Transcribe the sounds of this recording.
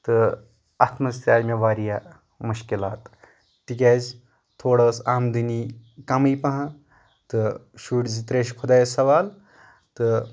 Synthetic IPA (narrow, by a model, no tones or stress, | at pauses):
t̪ɨ | at̪ʰmɐst̪ʲaːjmeʋaːɾija | muʃkilaːt̪ː | ik̬ʲeːz | t̪ʰoːɽɐːsaːmd̪ɨnikɐmijpɐɦã | t̪ɨʃuːʈzit̪ɾeʃkʰud̪aːjsɐʋaːl | t̪ɨ